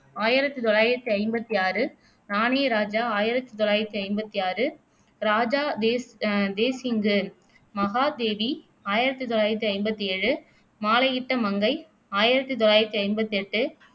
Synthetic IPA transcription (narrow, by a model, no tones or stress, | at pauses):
aːjɪɾɐt̪ːit̪ɔɭaːjɪɾɐt̪ːiɐɪmbɐt̪ːiaːɾɯ | naːneːɾaːd͡ʒaːaːjɪɾɐt̪ːɯt̪ɔɭːaːjɪɾɐt̪ːiɐɪmbɐt̪ːiaːɾɯ | ɾaːd͡ʒaːd̪ed̪eːsɪŋɡɯ | mɐɣaːd̪eːʋi | aːjɪɾɐt̪ːɯt̪ɔɭaːjɪɾɐt̪ːiɐɪmbɐt̪ːiɛɻɯ | maːlɐɣɪʈːɐmɐŋɡɐɪ | aːjɪɾɐt̪ːɯt̪ɔɭːaːjɪɾɐt̪ːiɐɪmbɐt̪ːiɛʈːɯ